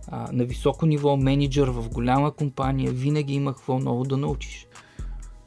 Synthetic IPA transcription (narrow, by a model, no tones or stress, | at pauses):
nɐvisɔkonivɔmɛnid͡ʒəɾvɐfɡolʲaməkompanijəvinəɡʲiiməxvɤlˠnɔvʊd̪ɐnɐut͡ʃi̥ʃ